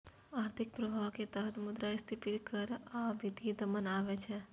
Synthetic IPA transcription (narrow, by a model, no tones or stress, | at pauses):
aːɾt̪ʰɪk̚pɾəbʱaʋket̪əɦət̪mʊd̪ɾaɪst̪ʰipit̪kəɾabid̪id̪əmənaːʋɛt͡ʃʰɛ